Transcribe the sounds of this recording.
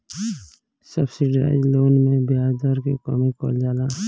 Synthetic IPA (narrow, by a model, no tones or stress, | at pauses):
səbsɪɖa̰ɪd͡ʒloːnmẽbjaːd̪əɾkikɔ̰mikɔ̰ld͡ʒaːla